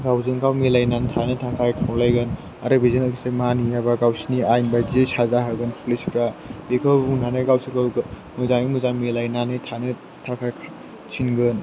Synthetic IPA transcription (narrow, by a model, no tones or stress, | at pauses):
ɡawzɯŋɡawmilajnantʰanɯtʰakʰajkʰawlajɡɯn | aɾɯbizɯnakʰisemanijabaɡawsiniajnbadiesazaɦaɡɯnpʰulespʰɾabekʰɯbuŋnanɯɡawsikʰaɡ | muzanimuzamilajnanɯtʰanɯ | tʰakʰajkʰ | t͡ʃʰinɡɯn